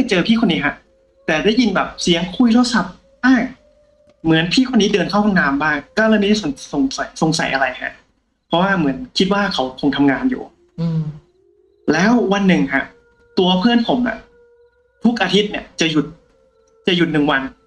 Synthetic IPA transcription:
t͡ɕɤː˧pʰiː˥˩kʰo˧nːiː˦˥kʰa˦˥ | t̪ɛː˨˩daː˥˩jːi˧nbɛː˨˩p̚si˨˩˦əŋkʰu˧jt̪ʰa˦˥sa˨˩p̚ | baː˥˩ŋ | mɯ˩˦ənpʰiː˥˩kʰo˧nːiː˦˥dɤː˧nkʰa˥˩wpʰa˧˩naː˨˧˥mbaː˥˩ŋkɔː˥˩ɾaː˧˩miː˦˥˩so˨˩˦ŋso˨˩ŋsa˨˩˦jso˨˩ŋsa̰˨˩˦jʔa˧ɾa˧jkʰa̰˦˥ʔ | pʰɔ˦˥waː˥˩mɯ˩˦ənkʰi˦t̪̚waː˥˩kʰa˦˥wkʰo˧ŋt̪ʰa˧mŋaː˧njṵː˨˩ | lɛː˦˥wwa˧nːɯ˨˩ŋkʰa˦˥ʔ | t̪u˧ɐpʰɯ˥˩ənpʰo˩˦mʔa̰˧˩ | t̪ʰu˦˥k̚ʔaː˧t̪ʰi˦˥t̪̚ni˧˩ɐt͡ɕa˨˩ju˨˩t̪̚ | t͡ɕa˨˩ju˨˩t̪̚nɯ˨˩ŋwa˧n

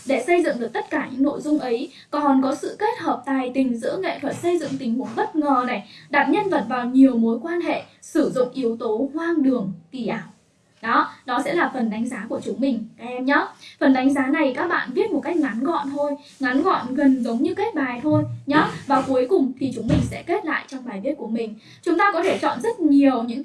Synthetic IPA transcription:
ɗe˧˩sə˧jzɨ̰˧˨ŋɗɨ˨˩ək̚t̪ə˦˥t̚kaː˧˩ɲɨ̰˧˥ŋno̰˧˨jzʊ˧ŋ͡mʔə˨˦j | kɔ˨˩nkɔ˨˦sɨ̰˧˨ke˦˥t̚həː˨˩p̚t̪aː˨˩jt̪ï˨˩ŋ̟zɨ̰˧˥əŋḛ˧˨t̪ʰwə˨˩t̚sə˧jzɨ̰˧˨ŋt̪ï˨˦ŋhṵ˧˩ŋ͡mɓə˦˥t̚ŋəː˨˩na˨˩jɗaː˨˩t̚ɲə˧nvə̰˧˨˩t̚vaː˨˩wɲi˨˩əwmo˨˦jkwaː˧nɦḛ˧˨sɨ˧˩zʊ̰˧˨ŋ͡mʔi˨˦əwt̪o˨˦kwaː˧ŋɗɨ˨˩əŋt̪i˧˩ʔaː˧˩w | ɗɔ˨˦ɗɔ˨˦sɛ̰˧˥laː˨˩fə˨˩nɗa˨˦ŋ̟zaː˨˦ku˧˩ət͡ɕʊ˨˦ŋ͡mmï˨˩ŋ̟kaː˨˦kʔɛ˧mɲɔ˨˦fə˨˩nɗa˨˦ŋ̟zaː˨˦na˨˩jkaː˦˥k̚ɓa̰ː˧˨nvi˦˥ət̚m˨˩t̚ka˦˥jk̚ŋa˨˦nɣɔ̰˧˨nt̪ʰo˧j | ŋa˨˦nɣɔ̰˧˨nɣə˨˩nzə˨˦wŋ͡mɲɨ˧ke˦˥t̚ɓaː˨˩jt̪ʰo˧jɲɔ˨˦vaː˨˩ku˨˦əjkʊ˨˩ŋ͡mt̪ʰi˨˩t͡ɕʊ˨˦ŋ͡mmï˨˩ŋ̟sɛ̰˧˥ke˦˥t̚la̰ː˧˨jt͡ɕɔ˧wŋ͡mɓaː˨˩jvi˦˥ət̚ku˧˩əmï˨˩ŋ̟ | t͡ɕʊ˨˦ŋ͡mt̪aː˧kɔ˨˦t̪ʰe˧˩t͡ɕɔ̰˧˨nzə˦˥t̚ɲi˨˩əwɲɨ̰˧˥ŋ

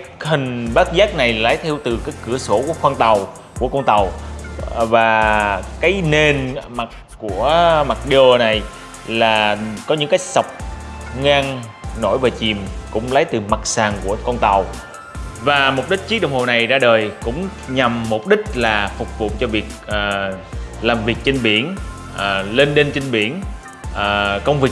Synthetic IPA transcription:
hï˨˩ŋ̟ɓaː˦˥t̚zaː˦˥k̚na˨˩jlaː˨˦jt̪ʰi˧wt̪ɨ˨˩kaː˨˦jkɨ˧˩əso˧˩ku˧˩əxwaː˧nt̪a˨˩w | ku˧˩əkɔ˧nt̪a˨˩w | vaː˨˩kaː˨˦jne˨˩nma˨˩t̚ku˧˩əma˨˩k̚ɗo˨˧˩na˨˩j | laː˨˩kɔ˨˦ɲɨ̰˧˥ŋkaː˨˦j̚sa˨˩wk͡p̚ŋaː˧ŋ | no˧˩jvaː˨˩t͡ɕi˨˩mkʊ̰˧˥ŋ͡mlə˨˦jt̪ɨ˨˩ma˨˩k̚saː˨˩ŋku˧˩əkɔ˧nt̪a˨˩w | vaː˨˩mo˨˩k͡p̚ɗï˦˥k̟̚t͡ɕi˦˥ɗwŋ͡mho˨˩na˨˩jzaː˧ɗəː˨˩jkʊ̰˧˥ŋ͡mɲa˨˩mːo˨˩k͡p̚ɗï˦˥k̟̚laː˨˩fʊ˨˩k͡p̚vṵ˧˨t͡ɕɔ˧vi˨˩ək̚ʔːlaː˨˩mvi˨˩ək̚t͡ɕe˧nɓḭ˧˩ən | ʔəː˨˩le˧nɗe˧nt͡ɕi˧ŋɓḭ˧˩ən | ʔəː˨˩kə˧wŋ͡mvi˨˩

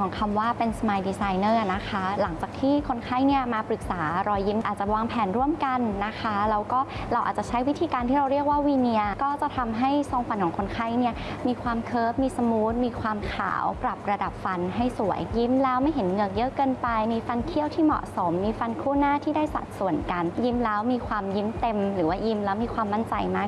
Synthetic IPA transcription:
ɔː˨˩˦ŋkʰa˧mwaː˥˩pe˧nsmaː˧jdiː˧saː˧jnɤː˥˩na˦˥kʰa˦˥la˩˦ŋt͡ɕaː˨˩t̪ʰiː˥˩kʰo˧nkʰa˥˩jni˥˩ɐmaː˧pɾɯ˨˩k̚saː˩˦ɾɔː˧ji˦˥mʔa̰ː˨˩t̪̚t͡ɕa˨˩waː˧ŋpʰɛː˩˦nɾu˥˩əmka˧nːa˦˥kʰa˦˥lɛː˦˥wkɔː˥˩ɾa˧wʔa̰˨˩t͡ɕa˨˩t͡ɕʰa˦˥jwi˦˥t̪ʰiː˧kaː˧nt̪ʰiː˥˩ɾa˧wɾi˥˩ək̚waː˥˩wiː˧ni˧əkɔː˥˩t͡ɕa˨˩t̪ʰa˧mɦa˥˩jso˧ŋfa˧nkʰɔː˩˦kʰo˧nkʰa˥˩jni˥˩əmiː˧kʰwaː˧mkʰɤː˦˥p̚miː˧sa˧muː˦˥t̪̚miː˧kʰwaː˧mkʰa̰ː˩˦wpɾa˨˩p̚ɾa˧da˨˩p̚fa˧nɦa˥˩jsu˨˩˦ə˦jːi˦˥mlɛː˦˥wma˥˩jɦe˩˦nŋɤː˧˩k̚jɤ˦˥ʔkɤː˧npa˧jmiː˧fa˧nkʰi˦˥˩əwt̪ʰiː˥˩mɔ̰˨˩ʔso˩˦mːiː˧fa˧nkʰuː˥˩naː˥˩t̪ʰiː˥˩daː˥˩jsa̰˨˩t̪̚su˨˩ənka˧nji˦˥mlɛː˦˥wmiː˧kʰwaː˧mji˦˥mt̪e˧mɾɯː˩˦waː˥˩ji˧˥mlɛː˦˥wmiː˧kʰwaː˧mːa˥˩nt͡ɕa˧jmaː˥˩k̚

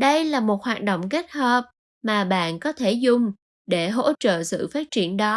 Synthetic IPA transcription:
ɗə˧jlaː˨˩mo˨˩t̚hwaː˨˩t̚ɗo̰˧˨wŋ͡mke˦˥t̚həː˨˩p̚ | maː˨˩ɓa̰ː˧˨nkɔ˨˦t̪ʰe˧˩zʊ˨˩ŋ͡m | ɗe˧˩ɦo̰˧˥t͡ɕə̰ː˧˨sɨ̰˧˨faː˦˥t̚t͡ɕi˧˩ənɗɔ˨˦

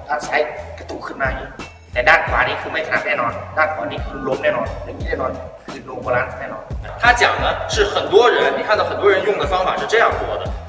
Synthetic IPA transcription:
t̪ʰa˧˥˩t͡sʰa˧˥ɪkə˧˩t̪u˧˥˩kʰɤ˥˩nmaː˧˩jḭ˨˧˩ | t̪ɛ˨˩d̪a˥˩nkʰwaː˧˥ni˧˩kʰɯ˧˩ma˧˥˩kʰa˨na˧˥nɛː˥˩nɔ˧˥nd̪a˥˩nkʰwa̰ː˧˥ni˧˩kʰɯ˧˩˧lo˧˥mnɛː˥˩nɔ˧˥nlɛ˧˥i˧˥nɛ˥˩nɔ˧˥n˧˩˧kʰɯ˧˥lo˧˩bo˧la˧˥nsnɛ˥˩nɔ̰˧˥n˧t̪ʰa˥t͡ɕjɑ̰˨˩ŋd̪ə˦ʂɻ̩˥˩xə˨˩nt̪wɔ˥ɻə˧˥nni˨˩kʰa˥˩d̪ə˩xə˨˩nt̪wɔ˥ɻə˧˥njʊ˥˩ŋd̪ə˩fɑ˥ŋfa˨˩ʂɻ̩˥˧ʈ͡ʂɤ˥˧jɑ˥˩ŋt̪wɔ˥˩d̪ə˨˩

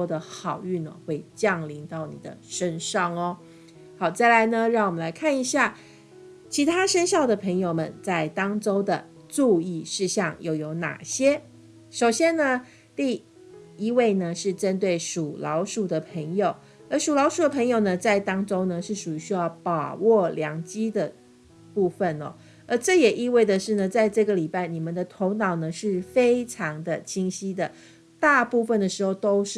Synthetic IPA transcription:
ɔ˥d̪ə˨xɑ˨˩ʊy˥˩nə̰˩xwe˥˩ɪt͡ɕjɑ˥˨˩ŋli˧˥ŋt̪ɑ˥˩ʊnḭ˨˩d̪ə̰˦ʂə˥nʂɑ˥˩ŋɔ˦ | xɑ˨˩ʊt͡sa˥˩ɪla˧˥ɪnə˧ɻɑ˥˩ŋwɔ˨˩mə̃˦nla˧˥ɪkʰa˥˩ni˧˥ɕja˥˩ | t͡ɕʰi˧˥t̪ʰa˥ʂə˥nɕjɑ˥˩ʊd̪ə˩pʰə˧˥ŋjo˨˩ʊmə˦nt͡sa˥˩ɪt̪ɑ˥ŋʈ͡ʂo˥ʊd̪ə˨ | t͡su˥˧i˥˧ʂɻ̩˥˧ɕjɑ˥˧ŋjo˥˨˩ʊjo˧˥ʊna̰˨˩ɕjɛ˥ | ʂo˨˩ʊɕjɛ˥nnə˧ | t̪i˥˩ | i˥we˥˩ɪnə˨ʂɻ̩˥˩ʈ͡ʂə˥nt̪we˥˩ɪʂu˨˩lɑ˧˥ʊʂu˨˩d̪ə˦pʰə˧˥ŋjo˨˩˦ʊ | ə˧˥ʂu˨˩lɑ˧˥ʊʂu˨˩d̪ə˩pʰə˧˥ŋjo˨˩ʊnə˩t͡sa˥˩ɪt̪ɑ˥ŋʈ͡ʂo˥ŋnə˨ʂɻ̩˥˩ʂu˨˩y˧˥ɕy˥jɑ˥˩ʊpɑ˨˩ʊwʔɔ˥˩ljɑ˧˥ŋt͡ɕi˥d̪ə˨ | pu˥˩fə˥˨nɔ̰˨˩ | ə˧˥ʈ͡ʂɤ˥˩jɛ˨˩ʔi˥˧we˥˩ɪd̪ə˩ʂɻ̩˥˩nə˩t͡sa˥˧ɪʈ͡ʂɤ˥˩ɡə˩li˨˩pa˥˩ɪni˨˩mə˨nd̪ə˨t̪ʰo˧˥ʊnɑ˨˩ʊnə˩ʂɻ̩˥˩fe˥ɪʈ͡ʂʰɑ˧˥ŋd̪ə˧t͡ɕʰi˥ŋɕi˥d̪ə˨ | t̪a˥˧pu˥˧fə˥˩nd̪ə˩ʂɻ̩˧˥xo˧˩ʊt̪o˥ʊʂɻ̩˥˩

